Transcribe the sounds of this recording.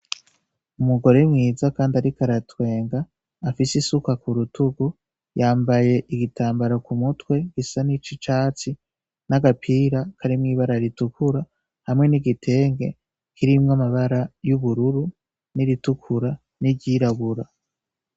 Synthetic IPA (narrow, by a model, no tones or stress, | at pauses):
umuɡo̞ɾemŋiːzakaːndaɾikaɾatwe̞ːŋɡaː | fisisukakuɾutuɡu | jaːmbaje̞ʔiɡitʰaːmbaɾakumutwe̞ɡisanit͡ʃit͡ʃaːt͡si | naɡapʰiːɾakʰaɾimŋiːβaɾaɾitukʰuɾa | hamŋe̞niɡitʰe̞ːŋɡe̞̰ | kiɾimŋamaβaɾajuβuɾuɾu | niɾitukʰuɾa | niɟiɾaβuɾa